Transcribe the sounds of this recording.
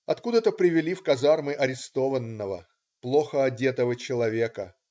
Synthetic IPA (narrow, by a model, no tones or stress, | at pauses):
ɐ̰t̪kud̪ət̪əpɾʲɪvʲɪlʲifkɐzarmɨʔɐɾʲɪst̪ovənːəvə̰ | plˠo̞xəɐdʲe̞t̪əvət͡ɕɪlˠɐvʲe̞kə